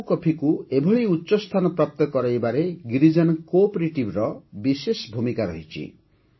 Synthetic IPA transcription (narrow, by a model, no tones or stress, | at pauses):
kɔpʰikuebʱɔɭijutːʃɔst̪ʰanɔpɾap̚t̪ɔkɔɾajbaɾeɡɾid͡ʒɔnkopɾeʈibɾɔbisesbʱumikaɾɔ̰ɦit͡ʃʰḭ